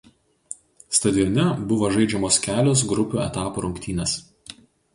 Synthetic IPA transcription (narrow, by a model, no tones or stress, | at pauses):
st̪ɐd̪ʲɪjɔnʲɛbʊʋɐʒɐɪd͡ʒʲɛmoːskʲæːlʲoːs̬ɡɾʊpʲuːɛ̰t̪ɑːpuɾʊŋʲkt̪ʲiːnʲɛs